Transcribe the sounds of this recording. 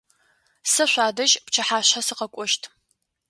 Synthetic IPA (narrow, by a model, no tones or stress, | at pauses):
sɐɕʷaːdɐʒʼpt͡ʃʰɐħaːɕasɨqɐkʷʼɔʃtʰ